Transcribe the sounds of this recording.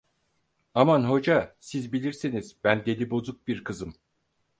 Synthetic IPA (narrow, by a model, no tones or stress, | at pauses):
amanɦo̞d͡ʒasizbilʲiɾsiniz̥bænd̪e̞lʲibo̞zuk̚biɾkʰɯzɯm